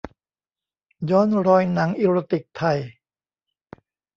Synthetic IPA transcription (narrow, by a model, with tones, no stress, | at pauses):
jɔː˦˥nɾɔː˧jna˩˦ŋʔi˧ɾo˧t̪i˨˩k̚t̪ʰa˧j